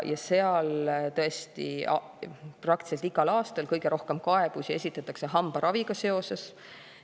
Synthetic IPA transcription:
jɑse̞ɑlt̪ɤe̞st̪ḭ | prɑk̚t̪i̥selt̪iɡɑlɑːst̪ɑlkɤjɡ̥e̞ɾo̞hke̞mkɑe̞b̥usie̞sʲit̪ːˑɑt̪ːˑɑkse̞ɦɑmb̥ɑɾɑviɡ̥ɑse̞o̞se̞s

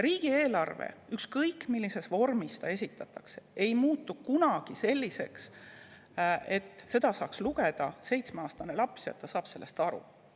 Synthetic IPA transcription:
riːɡ̥ie̞ːlɑrvḛykskɤjkːmilːise̞svo̞rmist̪ɑe̞sʲit̪ːˑɑt̪ːˑɑkse̥e̞jmuːt̪ːˑukunɑɡ̥ise̞lʲːise̞ks | e̞t̪ːˑse̞d̪̥ɑsɑːksluɡe̞d̪̥ɑse̞jt̪smeɑːst̪ɑne̞lɑpsjo̰t̪ˑːɑsɑːpse̞lːe̞st̪ɑɾṵ

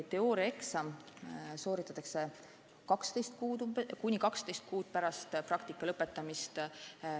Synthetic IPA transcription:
t̪e̞oːɾje̞ksɑmso̞ːɾit̪ːˑɑt̪ːˑɑkse̞ | kɑkst̪e̞jst̪̚kuːd̪umkunʲikɑkst̪e̞jst̪̚kuːt̪̚pæɾɑst̪prɑkt̪ikːˑɑlɤpːˑe̞t̪ːˑɑmist̪

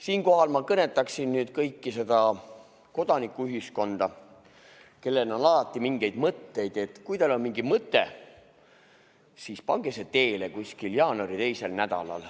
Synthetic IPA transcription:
siːnko̞ɦɑlmɑkɤne̞t̪ːˑɑksinnyːd̪̥kɤjkːise̞d̪̥ɑ | ko̞d̪̥ɑnikːˑuyɦisko̞nd̪̥ɑ | ke̞lːe̞nonɑlɑt̪ːˑimiŋɡ̥e̞jd̪mɤt̪ːe̞jd̪̥e̞t̪ˑkujt̪ɑlo̞nmiŋɡimɤt̪ːˑe̞ | sispɑŋɡ̥eset̪e̞ːlekuskiljɑːnoɾit̪e̞jse̞lnæd̪ɑ̰lɑ̰l

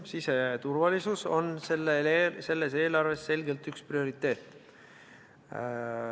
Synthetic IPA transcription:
siset̪urvɑlisuso̞̰nselːese̞lːe̞se̞ːlɑrve̞sːe̞lɡ̥e̞lt̪yksprio̞ɾit̪ːe̞ːt̪ːˑ

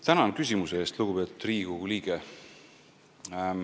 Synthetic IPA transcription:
t̪ænɑkys̬ʲimuseeːst̪luɡ̥upe̞t̪ud̪̥riːɡ̥uliːɡ̥e

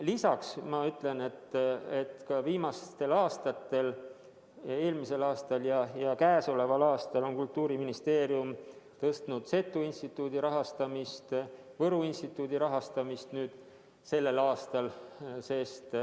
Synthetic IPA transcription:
lisɑksmɑyt̪ˑle̞ne̞t̪ːet̪kɑviːmɑst̪e̞lɑːst̪ɑt̪ːe̞l | e̞ːlmise̞lɑːst̪ɑljɑjɑkæːso̞le̞vɑlɑːst̪ɑlo̞nkult̪ːˑuːɾiminist̪e̞ːɾiumt̪ɤ̞st̪nud̪̥se̞t̪ːˑuinst̪it̪ːˑuːd̪iɾɑɦɑst̪ɑmist̪ | vɤɾuinst̪it̪ːˑuːd̪̥iɾɑɦɑst̪ɑmist̪nyːd̪̥ | se̞lːe̞lɑːst̪ɑlse̞st̪

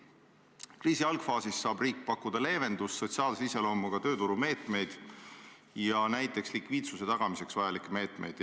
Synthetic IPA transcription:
kriːsiɑlɡ̥fɑːsisːɑːbriːkːpɑkːˑud̪̥ɑle̞ːve̞nd̪usːo̞t̪siɑːlseise̞lo̞ːmːɑɡ̥ɑt̪ø̞ːt̪uɾume̞ːt̪ˑme̞jd̪̥ | jɑnæjt̪ːˑe̞kslikviːd̪suse̞t̪ɑɡ̥ɑmise̞ksvɑjɑlikːˑeme̞ːt̪ˑme̞̰jd̪̥

